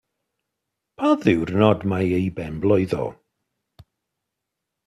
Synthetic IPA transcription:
pʰaðɪwrnɔdmajejbɛmblˠɔɨðɔ̰ː

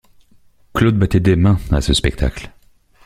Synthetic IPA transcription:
klod̪̚bat̪ɛd̪emɛ̃a̰səspɛk̚t̪ʰa̰kl

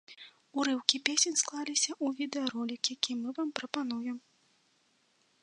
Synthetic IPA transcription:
uɾɨwkʲipʲesʲɛnʲsklˠalʲisʲɐʔuvʲid̪ɛɐɾɔlʲikjakʲimɨvampɾɐpanujɛm

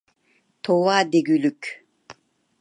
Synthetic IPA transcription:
t̪ʰowaːd̪eɡylykʲ

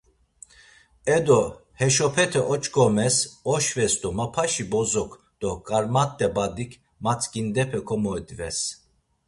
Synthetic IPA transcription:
ɛd̪ɔhɛʃɔpʰɛt̪ʰɛʔɔt͡ʃʼkʰʼɔmɛsɔʃvɛsd̪ɔmapʰaʃibɔzɔkʰ | d̪̥ɔkʼaɾmat̪ːɛbad̪ikʰ | mat͡sʰʼkʼind̪ɛpʰɛkʰɔmɔɛd̪vɛs

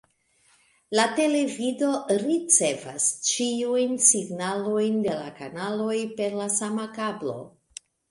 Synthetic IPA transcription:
late̞le̞vido̞ɾit͡se̞va̰st͡ʃiujnsiɡnalo̞jnde̞la̰kanalo̞jpe̞ɾlasamakablo̞̰

